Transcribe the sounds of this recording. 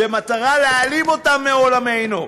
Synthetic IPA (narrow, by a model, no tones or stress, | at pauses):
bemataʁalealimo̞tamːeo̞lame̞jnu